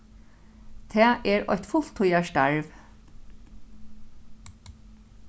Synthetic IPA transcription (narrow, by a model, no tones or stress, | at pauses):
t̪ʰɛːʔɛɹɔ̰jht̪fʊl̥t̪ʰʊjaʃt̪aɹʋ